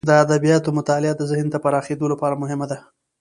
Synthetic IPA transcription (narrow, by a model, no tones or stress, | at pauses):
d̪əad̪abijɑt̪omʊt̪ɑlɪad̪əzɪhnt̪apaɾɑxed̪olapɑɾamʊɦɪmad̪a